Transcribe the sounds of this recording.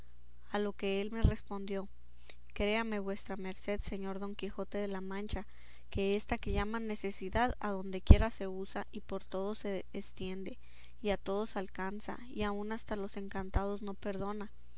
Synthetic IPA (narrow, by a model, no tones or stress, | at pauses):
alo̞ke̞e̞lme̞re̞spo̞nd̪jo̞ | kɾe̞ame̞βwe̞st̪ɾame̞ɾse̞ðse̞ɲo̞ɾðo̞ŋkixo̞t̪e̞ðe̞lamãnt͡ʃa | ke̞est̪ake̞ʝamane̞se̞siðaðaðo̞nd̪e̞kje̞ɾase̞usaʔipo̞ɾt̪o̞ð̞o̞seːst̪je̞nd̪e̞ | iat̪o̞ð̞o̞salkansa̰ | iaunast̪alo̞se̞ŋkant̪að̞o̞zno̞pe̞ɾðo̞na